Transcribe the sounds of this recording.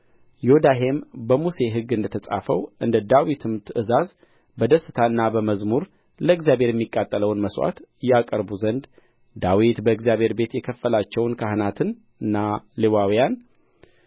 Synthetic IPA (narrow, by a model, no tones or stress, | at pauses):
jod̪aɦe̞mbəmuse̞ɦɨɡːɨnd̪ət̪ʰəsʼa̰fəwʔɨnd̪əd̪awit̪ʰɨmt̪ʰɨʔɨzaz | bəd̪əsːɨ̥t̪ʰaɨnːabəməzmuɾ | ləɨɡzjabʱe̞ɾjɛmːikʼːat̪ʼːələwnməswa̰t̪jakʼəɾbuzənd̪ | d̪awit̪bəɨɡzjaβhe̞ɾbe̞t̪jɛkʰəfːəlat͡ʃːɛwnkʰaɦnat̪ʰɨn | ɨnːalewawijan